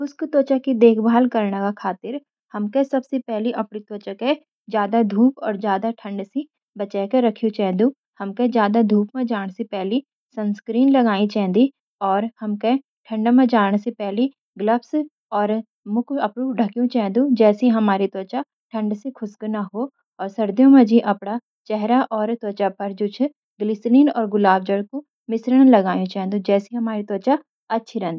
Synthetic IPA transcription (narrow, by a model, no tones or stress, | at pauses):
kʰʊskt̪oːt͡ʃakid̪eːkʰbʱaːlkɐɾnakakʰaːt̪ɪɾ | hɐmkesɐbsepɛɦliʔɐpɽit̪oːt͡ʃake | d͡ʒjaːd̪ad̪ʱuːpɔːɾzjaːd̪aʈʰə̃ɳɖse | bɐt͡ʃɛːkeɾɐkʰijũt͡ʃɛːɦd̪ũ | hɐmked͡ʒjaːd̪ad̪ʱuːp̚mẽd͡ʒaːɽ̃sepɛɦli | sɐ̃nskɾiːnlɐɡaːĩt͡ʃɛ̃ːnd̪i | ɔːɾhɐmke | ʈʰɐ̃ɳɖmẽd͡ʒaːɽ̃sepɛɦli | ɡləps | ɔːɾ | mʊkəpɽũɖʱəkjũt͡ʃɛɦɛ̃nd̪ũːd͡ʒɛːsiɦəmaːɾit̪ɔːt͡ʃaː | ʈʰə̃ɳɖsekʰʊsknaɦoː | ɔːɾsəɾd̪jõːmãːd͡ʒiːʔəpɽaː | t͡ʃɛɦɾaːʔɔːɾt̪ɔːt͡ʃapʰəɾd͡ʒʊːt͡ʃʰ | ɡlɪsɾiːnɔːɾɡʊlaːb̚d͡ʒəɽku | mɪsɾəɽ̃ləɡaːjũt͡ʃɛɦɛ̃nd̪ud͡ʒɛːsiɦəmaːɾit̪ɔːt͡ʃa | ɐtːʃʰiɾɛ̃ːnd̪iː